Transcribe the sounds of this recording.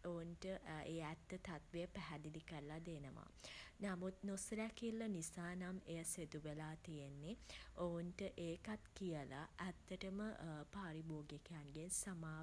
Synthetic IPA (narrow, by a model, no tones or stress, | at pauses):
ounʈəeːæt̪ːət̪at̪ʋejəpæɦæd̪id̪ikəɾlad̪enəʋa̰namut̪nosɾækilːənisaːnamejəsed̪uʋelaːt̪ijenːiounʈəʔeːkat̪kijəla̰ʔæt̪ːəʈəməpaːɾiboːɡjekejanɡensamaː